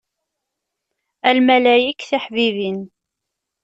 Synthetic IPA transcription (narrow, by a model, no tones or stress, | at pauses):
ælmælæjikːθiħvivin